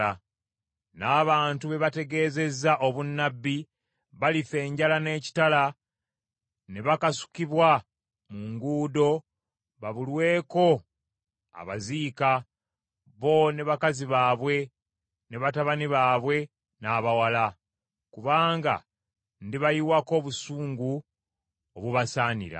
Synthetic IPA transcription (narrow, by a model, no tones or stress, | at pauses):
a | naːβaːntuβe̞βate̞ɡe̞ːze̞zaʔo̞βunːabːi | βalife̞ːɲɟalane̞ːci̥tala | ne̞βakasu̥kiβwa | muŋɡuːdo̞ | βaβulwe̞ːko̞ | a̰βazika | βo̞ne̞βakaziβaːβwe̞ | neβataβaniβaːβwe̞ | naːβawala | kuβaːŋɡa̰ | ndiβajiwako̞ːβusuːŋɡu | oβuβasaːnḭɾa̰